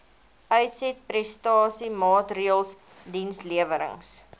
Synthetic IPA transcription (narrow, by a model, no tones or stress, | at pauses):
ʔœɥtsɛt̚prɛstɑːsimɑːtriəlˠs | dinsliəvəɾə̰ŋs